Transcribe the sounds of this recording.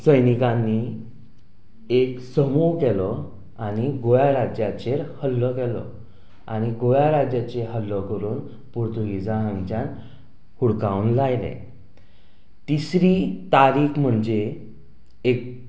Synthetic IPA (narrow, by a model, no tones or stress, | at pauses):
səjnikãnːi | eksəmukɛlɔ | añiɡojaɾad͡ʑjat͡ɕeɾhəlːɔkɛlɔ̰ | a̰ñiɡojaɾad͡ʑjat͡ɕeɦəlːɔkəɾuːn | puɾt̪uɡid͡zaɦə̃ŋɡt͡ɕan | huɽkawnlajlḛ | t̪isɾiːt̪aɾiːkm̤əɳd͡ʑeː | k̚